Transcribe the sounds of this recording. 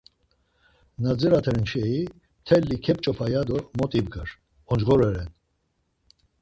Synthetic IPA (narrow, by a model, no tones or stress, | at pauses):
nad͡zɛɾat̪ʰɛɾnt͡ʃʰɛi | t̪ʰɛlːikʰɛp̚ʼt͡ʃʼɔpʰajad̪ɔmɔt̪ʼibɡəɾ | ɔnd͡ʒɣɔɾɛɾɛn